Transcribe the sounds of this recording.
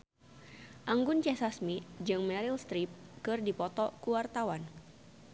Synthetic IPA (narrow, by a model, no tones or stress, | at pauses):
ʔaŋɡʊnt͡ʃɛsasmid͡ʒɨŋmɛɾilst̪ɾip̚kɨrdipɔt̪ɔkuwart̪awan